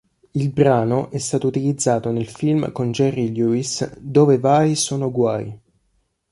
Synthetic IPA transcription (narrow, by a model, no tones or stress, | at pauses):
ilbɾaːnoʔɛst̪aːt̪out̪ilid̪zːaːt̪onelfilmkond͡ʒɛrːiluisd̪oːvevaːjsoːnoɡwaːj